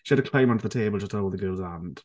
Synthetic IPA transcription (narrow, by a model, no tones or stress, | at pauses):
ʃiaɾəkʰl̥ẽɪ̃mə̃ndəðətʰeɪbəlˠətʰoʊlˠðəɡɜːlˠzãnd̥